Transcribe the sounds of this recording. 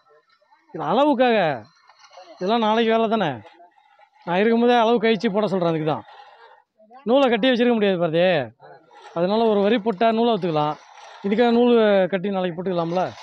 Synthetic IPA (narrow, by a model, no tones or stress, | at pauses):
ɪðɪlɐɐɭɐʋɯk̬ːaːɣɐ | ɪðɐlːãːnaːlɐkːiʋeːlɐt̪aːnɛ̰ | nãːɪɾɯkːɯmoːðeɐɭɐʋɯkɐjt͡ʃːɯp̬oːɽɐsɔlːɾẽːɪðɯkːɯt̪ã̰ː | nuːlɐkɐʈ̬ːijɐʋɐt͡ʃːɪɾɯkːɐmʊɽɪjaːðɯpaːɾɐðɐje | ɐðɐnaːlɐɔɾɯʋɐɾipːɔʈːɐnuːlɐɾɐt̪̬ːɯkːɐlãː | ɪðɯkːaːɣɐnuːlkɐʈːinaːlɐkipɔːʈːɯkːɐlaːmɐla